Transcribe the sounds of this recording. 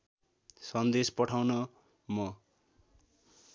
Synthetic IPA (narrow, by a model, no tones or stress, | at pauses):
sʌnd̪espʌʈʰawnʌ | mʌ